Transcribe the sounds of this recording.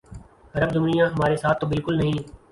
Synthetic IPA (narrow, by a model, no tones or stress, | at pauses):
əɾəbzʊmnijãːɦəmaːɾeːsaːt̪ʰːoːbɪlkʊlnəɦĩː